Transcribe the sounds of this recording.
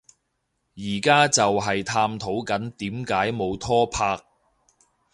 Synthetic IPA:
jiː˨˩kaː˥t͡sɐ˨wɦɐ˨jt̪ʰaː˧mt̪ʰo˨˥wkɐ˨˥nt̪iː˨˥mkaː˨˥jmo˨˧wt̪ʰɔː˥pʰaː˧k̚

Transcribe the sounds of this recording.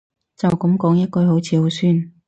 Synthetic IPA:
t͡sɐ˨wkɐ˨˥mkɔː˨˥ŋjɐ˥t̚kɵ˧ɥɦo˨˥wt͡sʰiː˨˧ho˨˥wsyː˥˩n

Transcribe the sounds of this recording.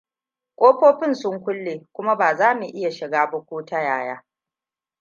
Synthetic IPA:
kʷʼoː˦ɸoː˦ɸɪ˦nsʊ˦ŋkʷʊ˦lːeː˨kʷʊ˦ma˦baː˨zaː˦mu˨ʔɪ˦ja˨ʃɪ˨ɡaː˦bɐ˦kʷoː˦ta˦jaː˨jaː˦

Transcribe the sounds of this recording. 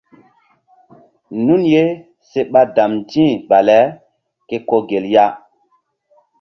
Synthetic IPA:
nu˦nje˦ | se˦ɓa˦da˨mdĩ˦˨ɓa˨lɛ˨˦ | ke˦ko˦ɡe˨lja˦

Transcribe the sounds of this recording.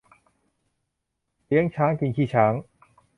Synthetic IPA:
li˦˥əŋt͡ɕʰaː˦˥ŋki˧nk̪ʰiː˥˩t͡ɕʰaː˦˥ŋ

